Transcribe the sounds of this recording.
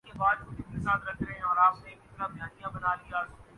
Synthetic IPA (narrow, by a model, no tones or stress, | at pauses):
kebaːd̪kʊɾɪk̪esaːd̪ɾɐkʰɾɐɦẽɔːɾaːpnekɪt̪ɾabʱjaːnijãbɐnaːlijaː